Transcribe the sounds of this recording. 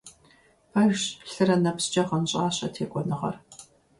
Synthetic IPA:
pajɕɬɨrɐnɐpst͡ʃʼɐχənɕʼaːɕɐtʰeːkʷʼɔnɨʁɐ̰r

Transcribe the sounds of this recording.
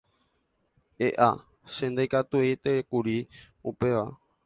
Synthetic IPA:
eʔa | ʃẽnd̪ajkat̪uejt̪ekuɾi | upe̞ʋa

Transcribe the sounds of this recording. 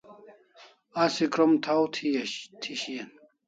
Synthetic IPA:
ɐsikɾomt̪ʰawt̪ʰiɐɕt̪ʰiɕijɐn

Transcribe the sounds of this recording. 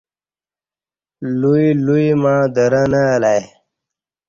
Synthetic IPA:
luiluimãːd̪əɾənəlaj

